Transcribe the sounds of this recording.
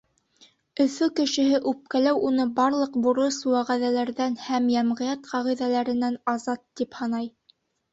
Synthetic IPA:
ɵ̆fɵkɘ̆ʃɘ̆ɦɘʔʉp̚kælæwʔunɤbɑɾlˠɤqbŭɾɤswæʁæðælæɾðænhæmjæmʁɤ̆jɑt̪qʰɑʁiðælæɾɘ̆nænɑzɑt̪ːiphɑnɑj

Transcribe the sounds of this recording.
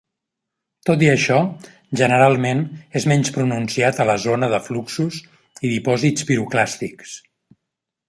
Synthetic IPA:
t̪ot̪̬iəʃɔ | ʒənəɾalˠmenezmɛɲspɾununsiat̪ələzonəðəfluksuz | iðipɔzit͡spiɾuklast̪iks

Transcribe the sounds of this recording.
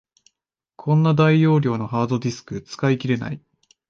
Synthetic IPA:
kʰõ̞nːad̪aijo̞ːɾʲo̞ːno̞ɦaːd̪o̞d̪ʲisɨ̥kɯ̟t͡sɨ̥kaikʲiɾe̞na̰i

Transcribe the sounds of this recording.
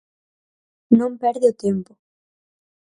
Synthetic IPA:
nõmpɛɾðɪʊt̪empʊ̥

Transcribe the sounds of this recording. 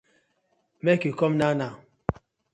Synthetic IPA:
mɛkikɔmnana

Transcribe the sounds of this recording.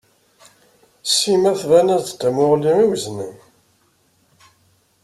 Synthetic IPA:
simæθvænæðt̪t̪ːæmʊʁliiwzni

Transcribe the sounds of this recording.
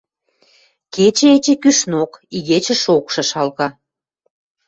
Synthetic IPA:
ket͡ɕĕet͡ɕĕkyʃnokiɣet͡ɕə̆ʃokʃɤ̆ʃɑlkɑ

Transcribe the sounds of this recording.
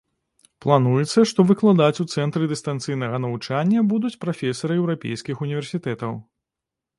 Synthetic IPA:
plˠanujɛt̪sːɐʂt̪ɔvɨklˠad̪at͡sʲut̪sɛnt̪ɾɨd̪ɨst̪ant̪sɨjnɐɣɐnɐvut͡ʂanʲːɐbud̪ut͡sʲpɾafʲɛsɐɾɨɛwɾapʲḛjskʲixunʲivʲɛrsʲit̪ɛt̪ɐw

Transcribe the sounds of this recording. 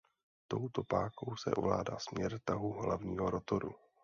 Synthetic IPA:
t̪o̞wt̪o̞paːkowsɛ̰ʔo̰vlaːdaːsmɲɛɾt̪aɦuɦlavɲiːɦo̞ɾo̞t̪oɾṵ

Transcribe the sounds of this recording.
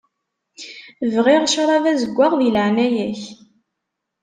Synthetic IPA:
vʁiʁʃɾˤɑvæzəɡʷːaʁðiləʕnæjæç

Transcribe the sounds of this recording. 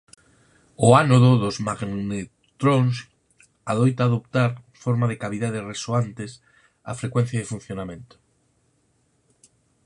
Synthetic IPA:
oanoðoðozmaɡnne | t̪ɾons | aðojt̪aːðopt̪aɾfoɾmaðekaβiðaðeresoant̪es | a̰fɾekwen̟θjað̞efun̟θjonamẽnt̪o̥

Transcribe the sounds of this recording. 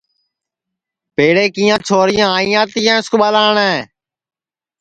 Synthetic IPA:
peːɽeːkiːãːt͡ʃʰoːɾɪjãːaːiːãːt̪ijãːɪskɓaːlaːɳɛ̃ː

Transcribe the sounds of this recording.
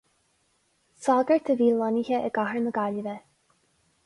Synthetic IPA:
sɑɡəɹt̪ʰəviːlɔniçəʔəɡaɦəɹnəɡaləvə

